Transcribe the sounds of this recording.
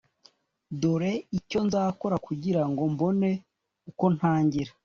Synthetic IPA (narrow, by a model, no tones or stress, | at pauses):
doɾe̞ico̞nzaːko̞ɾakuɟiɾaŋɡo̞mbo̞ne̞ | uko̞n̥haːɲɟiɾa